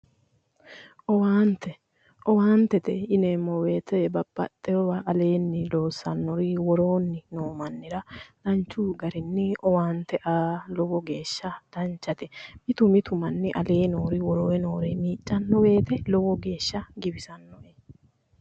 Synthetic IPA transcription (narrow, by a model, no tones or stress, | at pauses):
ʔɔwaːnt̪ɛ | ʔɔwaːnt̪ɛt̪ɛɪneːmːɔweːt̪ɛbɐbːɐ̰t̪ʼːɛɔwɐʔːle̞ːnːɪlo̞ːsːɐnːɔɾɪwɔɾo̞ːnːɪnoːmɐnːɪɾɐd̪̥ɐnt͡ʃːuːɡɐɾɪnːɪɔwaːnt̪ːɛʔaːlɔwɔɡe̞ːʃːɐd̪̥ɐnt͡ʃːɐt̪ɛmɪt̪ʊmɪt̪ʊmɐnːɪʔɐleːnoːɾɪwɔɾoːɛno̞ːɾɛmiːt͡ʃʼːɐnːɔwe̞ːt̪ɛlɔwɔɡe̞ːʃːɐɡɪbɪsɐnːɔɛ